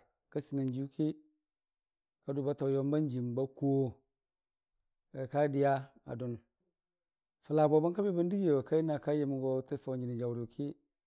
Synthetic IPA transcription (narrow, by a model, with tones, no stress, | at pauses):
ka˦si˨na˨nd͡ʒi˦kʰi˦ | ka˦du˨ba˦ta˨jo˦mba˦nd͡ʒi˨mba˦ko˦˨ | a˨ka˦di˦ja˦ | a̰˨du˨n | fa˨la˨bo˨ba˦nka˦bi˦bi˦ndi˦ɡi˦˨wa˨ka˦i˦na˨ka˦je˨mi˨ɡo˨˦ti˦fa˨d͡ʒi˨ni˨d͡ʒa˨wɾu˨kʰi˦